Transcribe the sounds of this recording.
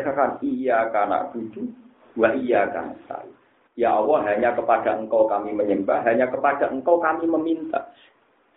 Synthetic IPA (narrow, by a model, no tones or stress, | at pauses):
kakanijakana̰ʔd̥ud̪u | waijaka̰na̰ʔt̪a̰i | jaawaɦaɲakəpad̥aəŋkawkamiməɲəmbahɦaɲakəpad̥a̤ʔəŋkawkamiməmint̪a̰